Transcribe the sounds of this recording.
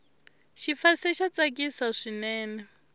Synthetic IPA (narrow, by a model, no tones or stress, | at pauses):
ʃifasɛʃat͡sʼakʼisaʂinɛːnɛ